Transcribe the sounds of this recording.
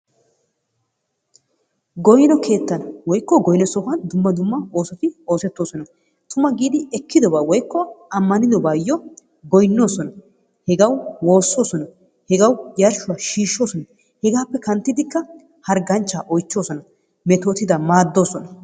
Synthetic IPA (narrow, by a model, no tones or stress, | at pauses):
ɡɔjnɔkʰe̞ːt̪ːɐnwɔjkːɔɡɔjnɔsɔɦɐnd̪ʊmːɐd̪ʊmːɐo̞ːsɔt̪ɪo̞ːsɛt̪ːo̞ːsɔnɐ | t̪ʊmɐɡiːd̪ɪɛkːɪd̪ɔbaːwɔjkːɔɐmːɐnɪd̪ɔbaːjːɔ | ɡɔjnːo̞ːsɔnɐ | hɛɡɐwwo̞ːsːo̞ːsɔnɐ | hɛɡɐwjɐɾʃʊwaːʃiːʃːo̞ːsɔnɐ | hɛɡaːpːɛkɐnt̪ːɪd̪ɪkːɐ | hɐɾɡɐnt͡ʃːaːʔɔjt͡ʃːo̞ːsɔnɐ | mɛt̪o̞ːt̪ɪd̪ɐmaːd̪ːo̞ːsɔnɐ